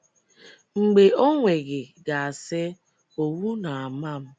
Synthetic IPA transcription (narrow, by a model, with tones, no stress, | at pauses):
ŋ͡m̩˨ɡ͡be˨ʔo˦ŋʷe˨ɡɪ˨ɡa˨a˨sɪ˦ | o˨wu˦na˨a˨ma˦˨m̩˦